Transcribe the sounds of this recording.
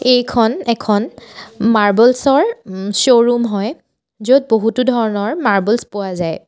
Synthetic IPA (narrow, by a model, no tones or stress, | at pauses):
ejkʰɔnɛkʰɔnmaɹbɔlsɔɹsoɹumɦɔj | zod̚boɦutudʱɔɹɔnɔɹmaɹbɔlspʊwazaj